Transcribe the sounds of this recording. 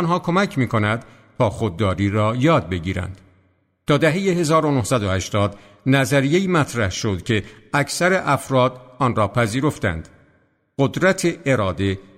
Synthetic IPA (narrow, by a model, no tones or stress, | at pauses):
nɦɒːkʰo̞mæcʰmiːkʰo̞næd̪̥ | t̪ʰɒːxod̪ːɒːɾiːɾɒːjɒːd̪̚be̞ɟiːɾæ̰nd̪̥ | t̪ʰɒːd̪æɦe̞je̞ɦe̞zɒːɾonohsæd̪ohæʃt̪ɒːd̪ | næzæɾije̞iːmæt̪ʰɾæhʃo̞d̪̥cʲʰe̞æcʰsæɾe̞ʔæfɾɒːd̪ɒːnɾɒːpʰæziːɾo̞ft̪æ̰nd̪̥ | ɢod̪ɾæt̪ʰeʔːɾɒːd̪e̞